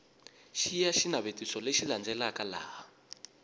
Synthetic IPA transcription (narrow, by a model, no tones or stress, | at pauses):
ʃijaʃinaβetisɔleʃiland͡zɛlakala̰ːɦa